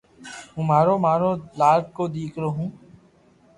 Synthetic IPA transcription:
ɦũːmaːɾoːmaːɾoːlaːkkoːd̪iːkʰɾoːɦũː

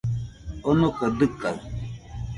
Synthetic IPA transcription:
onokədɨka

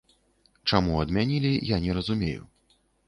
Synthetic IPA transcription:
t͡ʂamuɐd̪mʲanʲilʲijanʲɛɾɐzumʲejṵ

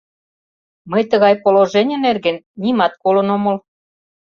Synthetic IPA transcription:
məjt̪ə̆ɣɑjpoloʒenʲə̆nerɣə̆nːʲimɑt̪̚kolɤ̆nomɤ̆l

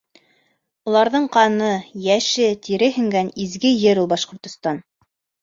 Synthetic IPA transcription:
ŏlˠɑɾðɤɴqɑnɤjæʃɘt̪iɾɘɦɘ̆ŋɡænizɡɘjɘɾulˠbɑʃqŏɾt̪ŏst̪ɑn

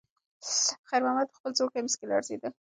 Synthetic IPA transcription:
xajɾmamad̪̚əxpəlzokamɪskela̰ɾzḛd̪ə

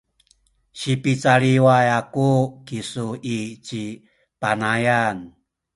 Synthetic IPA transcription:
ɕipit͡saɾiwajakukisuit͡ɕi | panajan

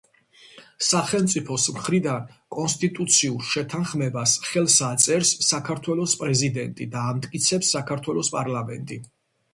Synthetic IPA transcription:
saχɛlˠmt̪sʼipʰɔsmχɾid̪ankʼɔnst̪ʼit̪ʼut̪sʰiuɾʃɛt̪ʰanχmɛbasχɛlˠsat̪sʼɛɾsːakʰaɾt̪ʰwɛlˠɔspʼɾɛzid̪ɛnt̪ʼḭd̪aːmt̪ʼkʼit̪sʰɛpsːakʰaɾt̪ʰwɛlˠɔspʼaɾlamɛ̰nt̪ʼi

